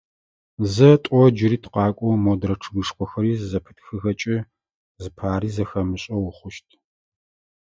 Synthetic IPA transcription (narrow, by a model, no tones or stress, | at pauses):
zɐtʷʼɔd͡ʒɪɾiːtʰqɑːkʷʼɔmodɾɐʈ͡ʂʰɨɡɨʂkʷʼɔxɐɾiːzɐpʰɨ̥txɨxɐt͡ʃʼɪ | zɨpʰaːɾiːzɐxɐmɨɕʼɐwʊχʷʊʃtʼʰ